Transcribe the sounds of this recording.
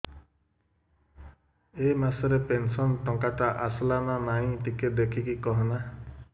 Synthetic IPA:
emasɔɾepensɔnʈɔŋkaʈaʔaslamamaĩʈiked̪ekʰikikɔɦɔna

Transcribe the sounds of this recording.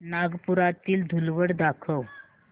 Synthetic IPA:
naɡpuɾat̪iːld̪ʱulʋəɽd̪akʰəw

